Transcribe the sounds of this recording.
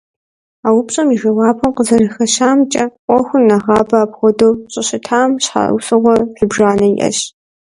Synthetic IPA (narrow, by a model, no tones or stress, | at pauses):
aːwʊpɕʼɐmiʒɐwɑːpʰɐmqəzɐrɐxɐɕaːmt͡ʃʼɐqʷʼɔxʷʊnːɐʁɑːbɐaːbʁʷɔdowɕʼɐɕɪtʰaːmɕħa̰wsʼɨʁʷɔħɪbʒaːnɐiʔɐ̰ɕ